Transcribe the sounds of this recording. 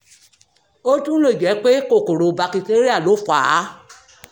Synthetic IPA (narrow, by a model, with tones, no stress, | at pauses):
o˦tũ˦lo˦i˨d͡ʒɛ˨˦k͡pe˦ko˦˨ko˨ɾo˨˧ba˧ki˧te˦ɾi˦a˦˨lo˨˦fa˨˦˨